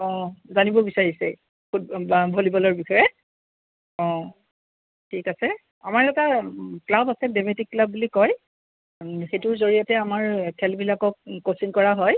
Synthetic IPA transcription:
ɔ̃zanibɔbisaɹisɛ̰ | kʰut̚bʱolibɔlɔɹbixɔjɛ | ɔ̃ | tʰikasɛ | a̰maɹɛtaklabasɛdemetikːlabːulikɔj | xetʊɹzoɹijatɛamaɹkʰɛlbilakɔk̚ːosiŋkɔɹaɦɔj

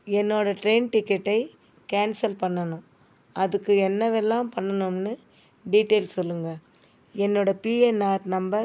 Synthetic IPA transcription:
ɛnːoːɽɐʈɾeːnʈɪkːɛʈːɐɪ | kaːnsɐlpɐɳːɐnʊ̃ | ɐðɯkːɯɛnːɐʋɛlːãːmpɐɳːɐnʊmnɯ | ɖiːʈːeːlsɔlːɯŋɡɐ | ɛnːoːɽɐpiːɛnaːɾnɐmbɐɾ

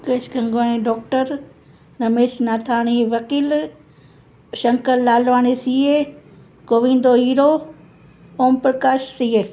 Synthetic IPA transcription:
keːʃkʰɐ̃ŋɡoːniɖɔːk̚ʈəɾ | ɾɐmeːʃnaːt̪ʰaːɽ̃iʋɐkiːl | ʃɐ̃ŋkəlːaːlʋaːñisiːe | koːʋĩːnd̪oɦiːɾo | oːmpɾəkaːʃsiːe

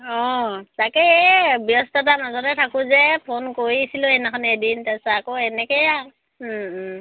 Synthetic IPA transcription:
ɔ̃takɛɛbjɔstɔt̬anazɔɾɛtʰakʊzɛpʰonkoɹisilɔɛnɛkʰɔnɛdintɛsaakoɛnɛkɛja

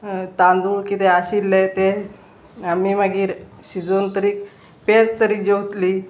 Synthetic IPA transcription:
t̪ãnd̪uːɭkit̪eaɕilːet̪e | amimaɡiːɾ | ɕid͡zont̪əɾiːk | pet͡st̪əɾiːkd͡ʑewt̪liː

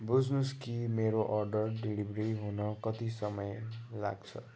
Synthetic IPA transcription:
bud͡znuskimeɾoʔʌrɖʌrɖilibreiɦunʌkʌt̪isʌmʌjla̰ɡt͡sʰʌ

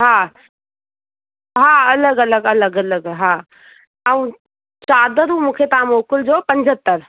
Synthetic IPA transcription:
ɦã | ɦãɐləɡɐləɡɐləɡɐləɡɦã | əʋ̃ | t͡ʃaːd̪əɾumũːkʰet̪aãmoːkʊld͡ʑopə̃ɲd͡ʑʱət̪ːəɾ

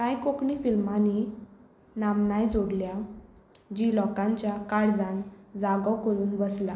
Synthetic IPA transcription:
kãjkokɳifilmani | namnajd͡zoɽlja | d͡ʑilɔkãɲt͡ɕjakaɽd͡zãnd͡zaɡəwkəɾuːnbəsla

